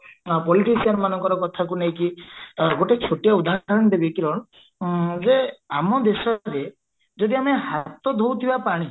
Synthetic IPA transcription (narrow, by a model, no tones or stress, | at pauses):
pɔliʈisianmanɔŋkɔɾɔkɔt̪ʰakunej̃kiɡoʈet͡ʃʰoʈijaud̪ʱaɾɔñɔd̪ebiekiɾɔɽ̃ | d͡ʒeamɔd̪esɔɾe | d͡ʒod̪iameɦat̪ɔd̪ʱowt̪ʰibapaɽ̃i